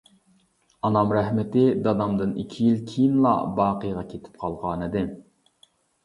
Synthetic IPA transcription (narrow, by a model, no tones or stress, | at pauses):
ɑnɑmɾæhmɪt̪ɪd̪ɑd̪ɑmd̪ɨnikʲʰijilkʲʰijinlˠɑ̰bɑːqəjʁɑkʲʰet̪ʰɪ̥p̚qʰɑlˠʁɑːnɨd̪ɪ